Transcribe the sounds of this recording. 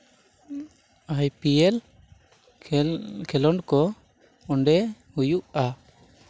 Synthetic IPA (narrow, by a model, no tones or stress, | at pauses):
ajpijɛl | kʰɛlɔnkɔ | ɔɳɖɛhujuʔa